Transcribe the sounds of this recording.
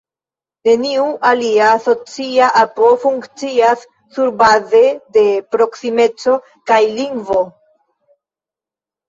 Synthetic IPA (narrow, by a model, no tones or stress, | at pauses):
ne̞niuʔaliaso̞t͡siaʔapo̞fuŋkt͡siasː | uɾbaze̞de̞pɾo̞ksime̞t͡so̞ | kajliŋɡvo̞